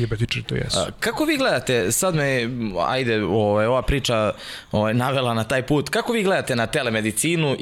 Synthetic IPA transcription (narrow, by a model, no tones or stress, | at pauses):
ebɛt̪it͡ʃɾt̪o̰jɛ̰skako̞ʋiːɡle̞d̪at̪e̞sad̪mea̰jd̪eoʋajo̞ʋapɾiːt͡ʃa | oʋajnaʋelˠanat̪aːjpuːt̪kako̞ʋiːɡle̞d̪at̪e̞nat̪ele̞me̞d̪it̪siːnu